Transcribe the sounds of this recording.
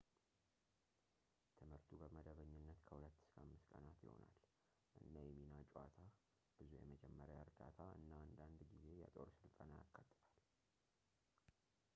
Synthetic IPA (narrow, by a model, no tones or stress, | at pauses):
t̪ʰɨmhɨɾt̪ʰubəməd̪əβəɲːɨnːət̪kʰəhulət̪ːskʰəamːɨskʼənat̪jɪ̰ho̞̰na̰l | ʔɨnːajɛminat͡ʃʼat̪ʰa | b̥ɨzujɛ̰məd͡ʒɛmːəɾəəɾd̪at̪ʰaɨ̰nːaand̪and̪ɡize̞ja̰t̪ʼo̞ɾsɨlt̪ʼənaja̰kʰːat̪ʼːɨbal